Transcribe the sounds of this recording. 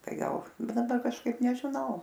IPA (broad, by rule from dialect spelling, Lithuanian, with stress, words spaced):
ˈtɐɪ ˈɡɐlˠ ˈbuːnɐ ˈdɐ kɐʃˈkɐɪp nʲɛʒʲɪˈnɐʊ